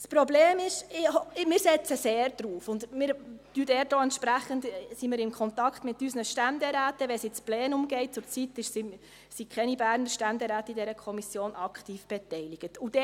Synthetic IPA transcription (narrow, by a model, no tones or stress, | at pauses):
spɾɔbleːmɪʃɪhɔmɪːɾsɛt͡səseːɾd̥ɾuːfʊndmɪːɾtyːdɛːdoːɛntʃpɾæχəndsimɪːɾɪnkʰχɔnt̪ɑkχt̪mɪtːysnəʃtændɛɾæːtəʋɛsɪt͡splɛːnʊmɡɛɪt̚t͡sʊɾt͡sitːɪʃsi | sikχɛnibæːɾnəɾʃtændɛɾæːtidɛɾəkʰɔmisjoːnʔɑkχtiːfb̥ɛtɛɪliɡ̥ətud̥ɛ